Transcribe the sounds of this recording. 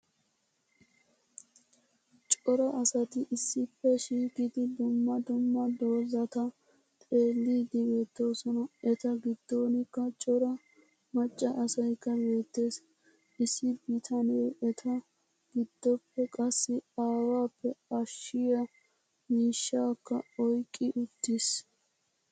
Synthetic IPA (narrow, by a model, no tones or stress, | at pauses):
t͡ʃʼɔɾɐʔɐsɐt̪ɪʔɪsːɪpːɛʃiːkɪd̪ɪd̪ʊmːɐd̪ʊmːɐd̪o̞ːzɐt̪ɐ | t̪ʼe̞ːlːiːd̪ɪbe̞ːt̪ːo̞ːsɔnɐɛt̪ɐɡɪd̪̥ːo̞ːnɪkːɐt͡ʃʼɔɾɐ | mɐt͡ʃʼːɐʔɐsɐjkːɐbe̞ːt̪ːe̞ːs | ɪsːɪbɪt̪ʰɐneːɛt̪ʰɐ | ɡ̥ɪd̪̥ːɔpːɛkʼɐsːɪaːwaːpːɛɐʃːɪjɐ | miːʃːaːkːɐɔjkʼːɪʔʊt̪ːɪs